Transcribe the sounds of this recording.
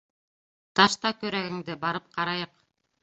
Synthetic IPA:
t̪ɑʃt̪ɑkɵɾæɡɘ̆ŋd̪ɘbɑɾɤp̚qʰɑɾɑjɤq

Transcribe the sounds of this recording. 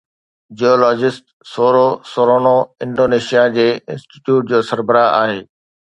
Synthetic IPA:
d͡ʑiɔːlɔːd͡ʑɪsʈ | soːɾosoːɾoːnoɪ̃ɳɖoːneːʃijad͡ʑeːɪ̃nsʈi̥ʈjuːʈ̚d͡ʑoːsɐɾbəɾaːa̰ːɦeː

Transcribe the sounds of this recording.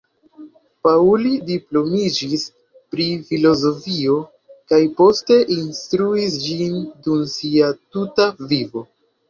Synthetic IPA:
paulidiplo̞mid͡ʒis | pɾifilo̞zo̞fio̞ | kajpo̞ste̞ʔinstɾuisd͡ʒindumsiatutavivo̞

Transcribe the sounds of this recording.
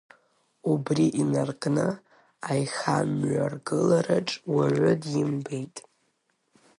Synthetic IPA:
ubriʔinarkʼnɨ | ajχamɥarɡɨlaɾaʈ͡ʂʼwaʕʷʊdimbejtʼ

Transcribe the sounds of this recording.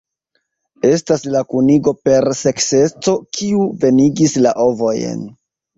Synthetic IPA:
e̞staslakuniɡo̞pe̞ɾse̞kse̞t͡so̞kʰiuve̞niɡislaʔo̞vo̞jḛn

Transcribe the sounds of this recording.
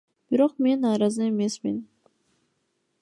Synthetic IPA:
b̥iɾoqmenːɑːɾɑzɨemesmin

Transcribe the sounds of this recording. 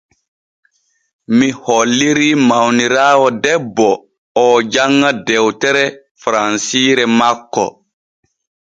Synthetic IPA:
mihɔlːiɾimawniɾaːwɔdɛbːɔ | ɔːd͡ʒaŋːadɛwtɛɾɛ | fɾansiːɾɛmakːɔ̰

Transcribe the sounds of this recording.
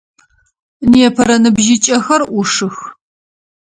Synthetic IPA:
niɛpʰɐɾɐnɨbʒɪt͡ʃʼɐxɐrʔʊʂɨx

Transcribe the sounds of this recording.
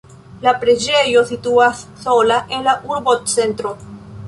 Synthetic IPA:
lapɾe̞d͡ʒe̞jo̞situasːo̞laʔe̞nlaʔuɾbott͡se̞ntɾo̞

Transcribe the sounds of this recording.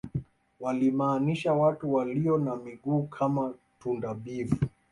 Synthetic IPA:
walimaːniʃawatuwaliɔnamiɠuːkʰama | tundaɓivu

